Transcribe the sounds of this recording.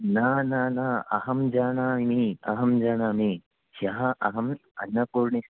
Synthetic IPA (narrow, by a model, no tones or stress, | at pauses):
naːnaːnaːɐ̰hɐmd͡ʒaːnaːimiɐɦɐmd͡ʒaːnaːmi | ʃɐɦɐʔɐɦɐmɐ̰nːɐpuːɾɳis